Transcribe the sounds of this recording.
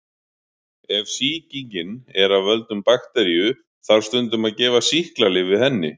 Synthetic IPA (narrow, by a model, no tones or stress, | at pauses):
ɛvsiːciɲcɪnɛɾavvœlt̪ʏmpaxt̪ɛɾijʏ | θaɾ̥st̪ʏnt̪ʏmaðcɛːvasihklalɪvɪðhɛnːɪ̰